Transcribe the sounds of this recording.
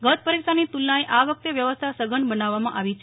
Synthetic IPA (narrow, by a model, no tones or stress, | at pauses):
ɡət̪̚pəɾikʃanit̪ulːaiʔaʋək̚t̪eʋjəʋəst̪ʰasəɡəɳbənaʋːamãʔaʋit͡ʃʰe